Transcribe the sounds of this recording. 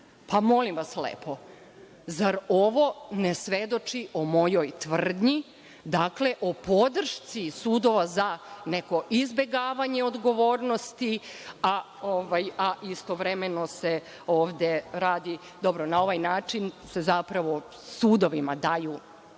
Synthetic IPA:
pamo̞limʋaslḛːpo̞ | zaɾoʋo̞nesʋe̞d̪o̞t͡ʃiomo̞jojt̪ʋr̩d̪ɲi | d̪akle̞ʔopo̞d̪r̩ʃt̪sisuːd̪o̞ʋazane̞ko̞ʔizbe̞ɡaːʋaɲeo̞d̪ɡo̞ʋoːɾnost̪ia | oʋajaʔist̪o̞ʋɾemeno̞se | oːʋd̪eɾaːd̪i | d̪o̞bɾonao̞ʋajnaːt͡ʃinse̞zapɾaʋo̞ | suːd̪o̞ʋimad̪aju

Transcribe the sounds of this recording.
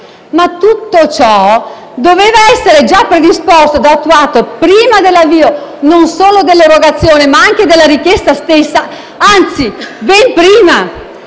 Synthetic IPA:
mat̪ːut̪ːot͡ʃɔ | d̪oveːvaɛsːeɾed͡ʒapːɾed̪ispost̪od̪aːt̪ːuaːt̪opɾiːmad̪elːavːiːononsoːlod̪elːeɾoɡat̪sːjoːnemaaŋk̟ed̪elːaɾikjɛst̪ast̪esːa | ant̪sibɛmpɾiːma

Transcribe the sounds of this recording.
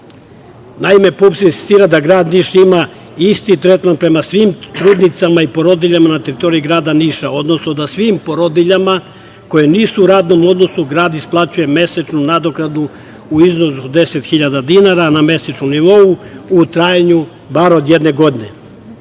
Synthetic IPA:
naime̞pupsinsi̥st̪iːɾad̪aɡɾaːd̪niːʃima | ist̪it̪ɾe̞t̪manpɾe̞masʋiːmt̪ɾuːd̪nit̪samaipo̞ɾo̞d̪iʎamanat̪e̞ɾit̪o̞ɾiiɡɾaːd̪aniʃao̞d̪no̞snod̪asʋiːmpo̞ɾod̪iʎama | ko̞jeniːsuːɾaːd̪no̞mo̞d̪no̞suɡɾaːd̪isplˠat͡ɕuje̞me̞set͡ʃnunad̪okɾad̪nu | uizno̞sud̪e̞se̞t̪xiʎad̪ad̪inaɾaname̞set͡ʃnomniʋo̞uut̪ɾaːjaɲu | baɾod̪jed̪ne̞ɡo̞d̪ine̞̰

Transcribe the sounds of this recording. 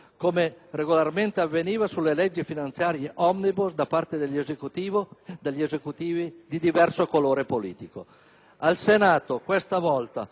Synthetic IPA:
komereɡolarment̪eavːeniːvasulːelɛd͡ʒːifinant̪sjaːɾjeʔɔmnibusd̪apart̪ed̪eʎːezekut̪iːvod̪eʎːezekut̪iːvid̪id̪ivɛrsokoloːɾepolḭːt̪iko | alsenaːt̪okwest̪avɔlt̪a

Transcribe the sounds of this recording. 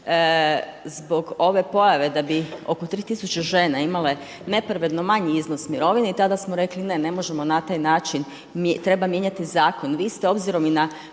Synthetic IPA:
zbo̞ɡo̞ʋe̞po̞jaʋe̞d̪abio̞̰kot̪ɾiːt̪isut͡ɕeʒe̞ːnaimale̞ | ne̞pɾaʋe̞d̪no̞maɲiizno̞smiɾo̞ʋineit̪ad̪asmoɾe̞kline̞ne̞mo̞ʒe̞mo̞nat̪aːjnaːt͡ʃin | t̪ɾe̞bamje̞ɲat̪izaːko̞nʋiːst̪eo̞bziɾo̞mina

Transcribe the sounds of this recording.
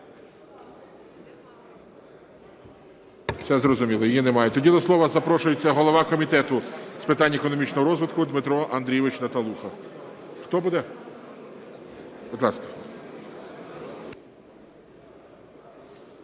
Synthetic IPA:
sʲɛzrɔzʊmʲilˠɐjijinemɑjɛt̪ɔdʲid̪ɔslˠɔʋɐzɐpɾɔʃʊjet͡sʲːɐɦɔlˠɔʋɑkɔmʲit̪ɛt̪ʊspɪt̪ɑnʲːɐekɔnɔmʲit͡ʃnɔɦɔɾɔzʋɪt̪kʊd̪mɪt̪ɾɔʔɐnd̪ɾʲijʋɪt͡ʃnɐt̪ɐlˠuxɐxt̪ɔbud̪ɛ | bʊd̪lˠɑskɐ̥

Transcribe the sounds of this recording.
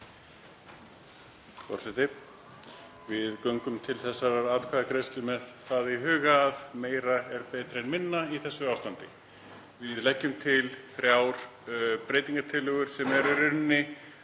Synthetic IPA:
fɔ̰ɾ̥sɛt̪ɪ | vɪðkœŋkʏmt̪ʰɪlθɛsːaɾaɾaːðkʰvaːðakɾejst̪lʏmɛðθaðiɦʏːɣaːðmeːjɾaɛɾpɛːt̪ɾɪɛnmɪnːaiθɛsːʏawst̪ant̪ɪ | vɪðlɛhcːʏmt̪ʰɪlθɾjaːwɾ̥pɾejt̪iŋkat̪ʰɪlʏɣʏɾ̥sɛmɛɾiɾʏnːɪ

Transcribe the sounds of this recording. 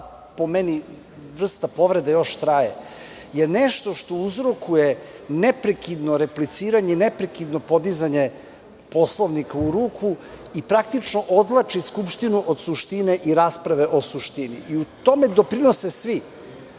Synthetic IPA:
po̞meni | ʋr̩st̪apo̞ʋɾed̪ajo̞ʃt̪ɾajḛ | jeneʃt̪o̞ʃt̪o̞uzɾokuje | nepɾekid̪no̞ɾeplit̪siːɾaɲeinepɾekid̪no̞po̞d̪izaɲe̞ | po̞slˠoʋnikauɾuːkʰuipɾakt̪it͡ʃnoʔod̪lˠat͡ʃiskupʃt̪inuʔod̪suʃt̪ineʔiɾaːspɾaʋe̞ʔo̞suʃt̪inḭiut̪o̞me̞d̪o̞pɾinosesʋi

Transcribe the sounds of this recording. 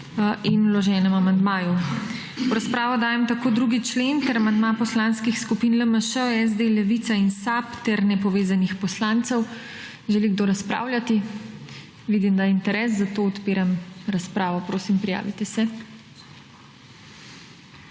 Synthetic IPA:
inlɔʒɛːnɛmamand̪maːju | uɾaspɾaːʋɔd̪aːjɛmt̪akoːd̪ɾuɡit͡ʃlent̪ɛɾamand̪mapɔslanskixskupinləməʃəɛzd̪elɛʋiːt̪sainsapt̪ɛɾnɛpɔʋeːzanixpɔslaːnt̪sɛw | ʒɛliɡd̪oːɾaspɾa̰ːwljʲat̪i | ʋiːd̪imd̪aint̪ɛɾɛːs̬zat̪oːɔt̪piːɾamɾaspɾaːʋɔpɾoːsimpɾija̰ːʋit̪ɛsɛ

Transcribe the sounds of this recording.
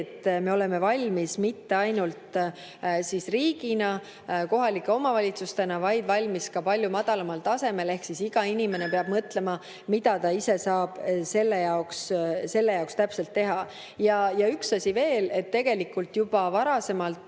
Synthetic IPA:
t̪ːˑme̞o̞le̞me̞vɑlʲmismit̪ːe̞ɑjnult̪ | sisriːɡ̥inɑ | ko̞ɦɑlikːˑe̞o̞mɑvɑlʲit̪sust̪e̞nɑvɑjd̪̥vɑlʲmiskɑpɑlʲjumɑd̪̥ɑlɑmɑlt̪ɑse̞me̞le̞hksisiɡ̥ɑinime̞ne̞peɑb̥̚mɤt̪le̞mɑ | mid̪̥ɑt̪ɑise̞sɑːb̥se̞lːejɑoksse̞lːe̞jɑokst̪æpse̞lt̪ːe̞ɦɑ | jɑjɑyksɑsʲive̞ːle̞t̪ːe̞ɡ̥e̞likːˑult̪jub̥ɑvɑɾɑse̞mɑlt̪

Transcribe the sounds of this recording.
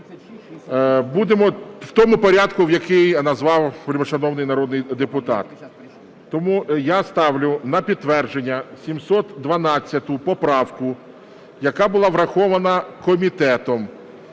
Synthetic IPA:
bud̪emɔwt̪ɔmʊpɔɾʲad̪kʊwjɐkɪjnɐzʋɑwplʲmɔʃɐnɔwnɪjnɐɾɔd̪nɪjd̪epʊt̪ɑ̰t̪ː | ɔmujast̪ɑwlʲʊnɐpʲid̪̚t̪ːʋɛrd͡ʒenʲːɐsʲimsɔt̪d̪ʋɐnɑt͡sʲːɐt̪ʊpɔpɾɑwkʊ | jɐkɑbʊlˠɑʋɾɐxɔʋɐnɐkɔmʲit̪ɛt̪ɔm

